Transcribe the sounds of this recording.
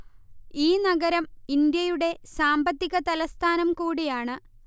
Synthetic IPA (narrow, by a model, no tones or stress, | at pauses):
iːnɐɡɐɾɐmind̪jɐjuɽe̞saːmbɐt̪ːiɣɐt̪ɐlɐst̪ʰaːnɐmkuːɽijaːɳɨ